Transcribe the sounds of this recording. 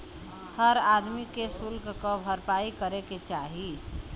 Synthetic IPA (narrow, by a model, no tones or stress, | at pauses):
həɾad̪mikesulɡkɔbʱəɾpaikəɾeket͡ʃaɦi